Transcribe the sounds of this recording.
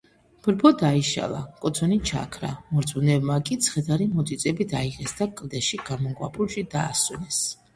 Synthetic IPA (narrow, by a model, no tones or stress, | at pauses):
b̥ɾbɔd̪aiʃa̰lˠa̰kʼɔt̪sʰɔnit͡ʃʰa̰kʰɾa̰mɔɾt̪ʰʼunɛbmakʼit̪sʰχɛd̪aɾimɔt̪ʼit̪sʼɛbid̪aiʁɛsd̪akʼld̪ɛʃiɡamɔŋɡwa̰pʰulˠʃid̪aːswɛnɛs